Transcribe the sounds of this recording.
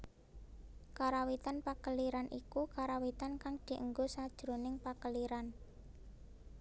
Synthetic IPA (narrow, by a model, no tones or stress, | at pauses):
kaɾawit̪anpakəliɾanʔikukaɾawit̪ankaŋd̪̥i̤ʔəŋɡosad̥ʒ̥ɾonɪŋpakəliɾan